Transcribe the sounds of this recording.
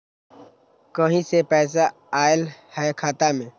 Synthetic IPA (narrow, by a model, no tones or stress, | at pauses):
kəɦĩsepɛːs̬a | aːɪlhɛːkʰaːt̪amẽː